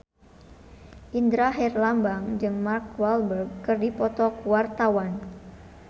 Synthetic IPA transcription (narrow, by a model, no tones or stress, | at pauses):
ʔind̪ɾaɦɛrlambaŋd͡ʒɨŋmarkwalbərɡ̚kɨrdipɔt̪ɔkuwart̪awan